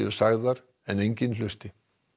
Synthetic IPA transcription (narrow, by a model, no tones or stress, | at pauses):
ɛ̰ɾ̥saɣðaɾ̥ | ɛnejɲcɪnlʏst̪ɪ